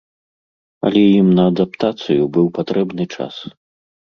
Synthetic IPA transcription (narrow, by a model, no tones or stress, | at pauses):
ɐ̰lʲɛjimnɐːd̪apt̪at̪sɨjubɨwpat̪ɾɛbnɨt͡ʂa̰s